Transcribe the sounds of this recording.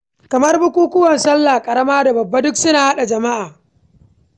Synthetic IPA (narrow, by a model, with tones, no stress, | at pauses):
kɐ˨mɐ˦rbʊ˦kʷuː˦kʷʊ˦wɐ˨nsɐ˦lːaː˨kʼɐ˨ɾɐ˦maː˦da˨bɐ˨bːa˦dʊ˦ksʊ˦naː˨ha˦ɗa˨d͡ʒɐ˨ma˦ʔaː˨